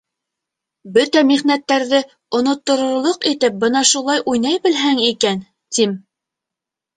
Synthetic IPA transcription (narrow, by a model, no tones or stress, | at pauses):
bɵt̪æmiʁnæt̪ːæɾðɘ | ŏnŏt̪ːŏɾŏɾlˠoqit̪ɘp̚bɤnɑʃulˠɑjʔujnɑjbɘ̆lɦæŋikæn | t̪im